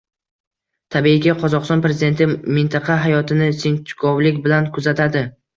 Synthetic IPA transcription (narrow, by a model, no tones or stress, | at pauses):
t̪ʰabiɪɡʲaqʰɒzɒqst̪ɒnpɾezɪd̪e̞nt̪ʰɪmɪnt̪ʰɑqʰɑɦajɒt̪ʰɪnɪsent͡ʃ̪ʰɪ̥kʰowlɪkʲbɪlankʰʊzat̪ʰad̪ɪ